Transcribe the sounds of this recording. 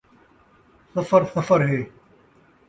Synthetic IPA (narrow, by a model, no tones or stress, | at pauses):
sɐfəɾsɐfəɾɦeː